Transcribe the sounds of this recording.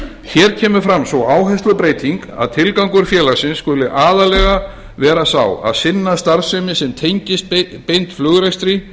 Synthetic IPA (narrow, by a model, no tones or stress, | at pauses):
çɛɾ̥cʰɛːmʏɾfɾamsvɔaːwɦɛst̪ʏpɾeːjt̪iŋka̰ðt̪ʰɪlkawŋkʏɾ̥fjɛːlasɪnsːkʏlɪʔaːðalɛɣa | vɛːɾasawa̰ðsɪnːast̪aɾsœmɪsɛmt̪ʰejɲcɪst̪pejnt̪flʏɣɾejst̪ɾi